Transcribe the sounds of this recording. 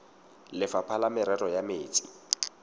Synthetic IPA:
lɪfapʰalamɪɾɛrɔjameːt͡sʼi̥̰

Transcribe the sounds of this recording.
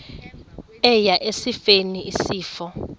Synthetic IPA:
ɛjaʔesifeniʔisiːfɔ

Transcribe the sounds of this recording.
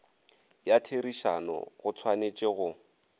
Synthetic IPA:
jatʰeriʃa̰nɔ̰ɣʊt͡sʰwanet͡ʃʼɪɣʊ

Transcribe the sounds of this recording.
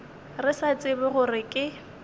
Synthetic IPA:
rɪsat͡sʼɪbɪɣʊrɪkʼɪ

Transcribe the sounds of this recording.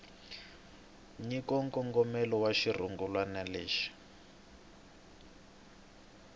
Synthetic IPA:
ɲikɔŋkɔŋɡɔmɛlɔwaʃir̤uŋɡulwanaliːʃi̥

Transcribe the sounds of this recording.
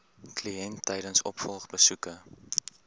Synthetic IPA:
kliɛntʰːɛjdənsɔ̰pfɔlˠχbəsukə

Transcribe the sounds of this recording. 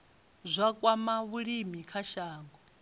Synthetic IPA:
zʷakʼwamaβuɺimikʰaʃaːŋɡɔ

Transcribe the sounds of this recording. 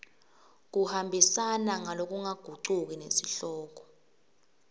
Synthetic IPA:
k̬uhambʱisanaŋalok̬ʼuŋaɡ̥ʱuǃuk̬ʼinḛsiɬɔːk̬ɔ̥

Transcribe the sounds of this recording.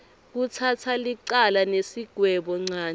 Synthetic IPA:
k̬ut͡sʰatʰaliǀalanesiɡ̥ʱwɛɓɔŋ͡ǀaːn

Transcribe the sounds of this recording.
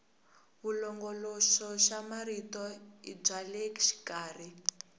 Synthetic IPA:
βulɔŋɡɔlɔʃɔʃamaɾitɔḭb͡ʐaleki̥ʃi̥kaːri

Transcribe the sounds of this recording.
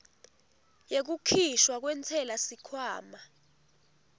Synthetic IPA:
jek̬ukʰiʃwak̬wɛntʰɛlasikʰwaːma

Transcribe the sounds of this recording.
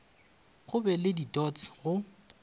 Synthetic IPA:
ɣʊbɛlɪditɔt͡sɣʊ

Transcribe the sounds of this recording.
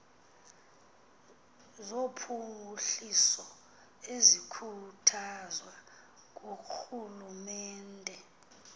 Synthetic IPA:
zopʰuŋʱuɬisɔ | ezikʰutʰazwa | k̬oxulumɛːndʱɛ

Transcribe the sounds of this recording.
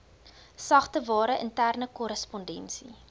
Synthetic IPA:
sɐχtəvɑːɾəʔəntærnəkɔɾəspɔndɛnsḭ

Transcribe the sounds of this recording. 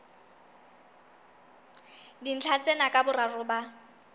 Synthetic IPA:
din̩t͡ɬʰat͡sʼenakʼabʊrarʊːba

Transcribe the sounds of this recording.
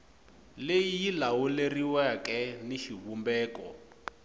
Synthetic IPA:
lejijilawuleriwɛakʼɛniʃiβumbɛːkɔ̰

